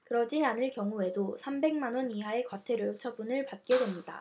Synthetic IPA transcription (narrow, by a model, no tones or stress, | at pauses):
kɯɾʌd͡ʑianɯɭkjʌŋue̞dosʰambe̞ŋmanwʌniɦaekwatʰe̞ɾot͡ɕʰʌbunɯɭpat̚k͈e̞dwe̞mɲida̰